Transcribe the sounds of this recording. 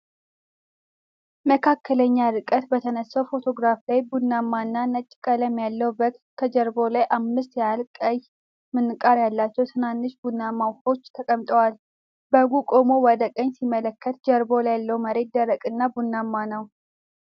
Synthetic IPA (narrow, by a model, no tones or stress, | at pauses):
məkʰakʰːələɲːaɾɨkʼːət̪bət̪ʰənəsːəwfo̞t̪ʰo̞ɡɾaflajbunːamːaɨnːanət͡ʃʼːɪkʼələmjalːəwbək̚t̪kʰəd͡ʒəɾbo̞lajʔamːɨst̪jalkʼəj | mɨnːɨkʼaɾjalːat͡ʃːɛwt̪ʰɨnanːɨʃbunːamːawho̞t͡ʃːt̪ʰəkʼəmt̪ʼəwal | bəɡukʼomowɔd̪əkʼəɲːsimələkːət̪d͡ʒəɾbo̞lajalːəwməɾe̞t̪̚d̪əɾəkʼɨnːabunːamːanəw